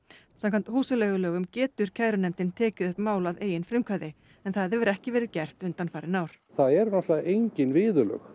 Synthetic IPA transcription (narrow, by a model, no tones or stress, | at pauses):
samkʰant̪huːsalɛːɣʏlœːɣʏmcɛːt̪ʏɾ̥cʰaːjɾʏnɛmt̪ɪnt̪ʰɛːcɪðʏhpmaːwlaðeːjɪnfɾɪmkʰvaːðɪ | ɛnθaðɛvʏɾɛhcɪvɛːɾɪðcɛr̥t̪ʏnt̪anfaːɾɪnaːwɾ̥ | θaðɛɾnaht̪laejɲcɪnvɪːðʏlœ̰x